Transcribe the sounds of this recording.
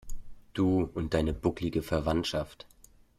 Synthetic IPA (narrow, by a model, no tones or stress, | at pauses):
d̥uːʊnt̚d̥aɪnəbʊklɪɡəfɛɐvantʃaft